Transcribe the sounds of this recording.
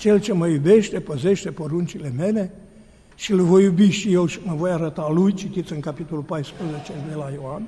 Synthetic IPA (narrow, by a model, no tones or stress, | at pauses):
t͡ʃe̞lt͡ʃe̞məjube̞ʃt̪e̞pəze̞ʃt̪e̞poɾunt͡ʃile̞me̞le̞ | ʃilvo̞jːubiʃije̞lʃiməvo̞jaɾət̪alujt͡ʃit̪it̪sɨŋkapit̪o̞lupajspɾəzet͡ʃe̞d̪e̞lajoan